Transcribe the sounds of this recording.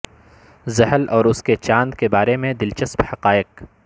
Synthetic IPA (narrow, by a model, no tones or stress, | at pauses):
zɐɦəlɔːɾʊsket͡ʃãːnd̪kebaːɾemẽd̪ɪlt͡ʃəsbhɐqaːɪq